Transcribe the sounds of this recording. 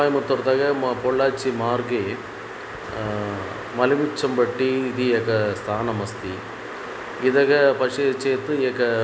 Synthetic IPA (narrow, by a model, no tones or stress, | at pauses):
aːjmɐt̪ːɔɾt̪ɐɣɐpɔɭːaːt͡ʃːimaːɾɡeː | mɐlɪmɪt͡ʃːɐmbɐʈːiːðiekːɐst̪ʰaːnɐmɐst̪i | ɪðɐɣɐpɐʂet͡ʃːeːt̪ːɯekːɐ